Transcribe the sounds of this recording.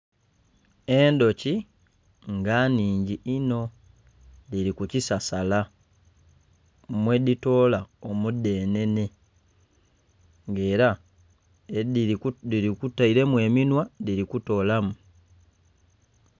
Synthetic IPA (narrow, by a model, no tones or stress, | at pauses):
e̞ndo̞ci | ŋɡaniːɲɟiʔino̞ | diɾikucisasala | mwe̞dito̞ːlaomudːe̞ːne̞ne̞ | ŋɡe̞ːɾa | ediɾikutaiɾe̞mwe̞ːminwadiɾikuto̞ːlamu